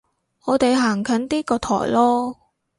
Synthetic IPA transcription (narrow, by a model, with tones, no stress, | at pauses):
ɔː˨˧t̪e˨jɦaː˨˩ŋkʰœ˨˥nt̪iː˥kɔː˧t̪ʰɔ̰ː˨˩jlɔː˥